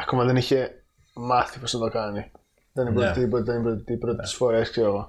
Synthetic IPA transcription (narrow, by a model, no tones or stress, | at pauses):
ɐko̞mɐðe̞niçe̞ | mɐθipo̞snɐt̪o̞kɐni | ðenimbɾot̪eipot̪eenibɾot̪et̪ipɾot̪et̪i̥sfo̞ɾe̞skseoɣo